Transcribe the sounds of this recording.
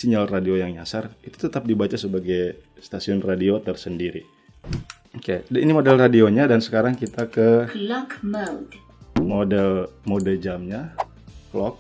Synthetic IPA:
siɲalradiojaŋɲasarit̪u̥t̪ət̪ap̚dibat͡ʃasəbaɡajst̪asiʊnradiot̪ərsəndiɾi | okedinimodɛlradioɲadansə̥kaɾaŋkit̪akəlakmalt̪ | modɛlmodəd͡ʒamɲa | flɔk̚

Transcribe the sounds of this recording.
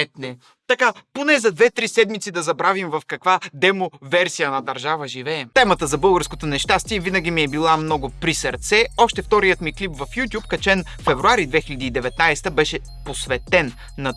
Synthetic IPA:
ɛt̪nɛ | t̪ɐkaponɛzɐd̪vɛt̪ɾisɛd̪mit̪sid̪ɐzɐbɾavimvɐfkɐkvad̪ɛmovɛɾsijɐnɐd̪ɐɾʒavəʒivɛːt̪ɛmət̪əzɐbɤlˠɡəɾskot̪onɛʃt̪ast̪iɛvinɐɡ̟imiɛbilˠamnɔɡʊpɾisɐɾt̪sɛɔʃt̪ɛft̪ɔɾijət̪miklipvɐfjut̪ʲjupkɐt͡ʃɛn | fɛvɾuaɾid̪vɛxilʲɐd̪iːd̪ɛvɛt̪najst̪əbɛʃɛ | posvɛt̪ɛnː | ɐ

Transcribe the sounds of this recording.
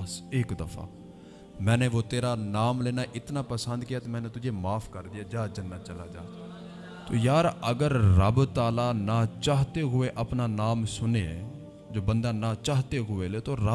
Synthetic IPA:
seːkd̪əfʰa̰ː | mɛ̃ːnẽːʋoːt̪eːɾaːnaːmleːnaːʔɪt̪naːpəsə̃nd̪kijaːt̪emɛ̃ːneːt̪ʊd͡ʒeːmaːpʰkəɾd̪ɪjaːd͡ʒaːd͡ʒənːat͡ʃəlaːd͡ʒaː | t̪oːjaːɾəɡəɾːəbt̪aːlaːnaːt͡ʃaːɦt̪eːɦʊeːʔəpnaːnaːmsʊneː | d͡ʒoːbə̃nd̪aːnãːt͡ʃaːɦt̪eːɦʊeːleːt̪oːɾə

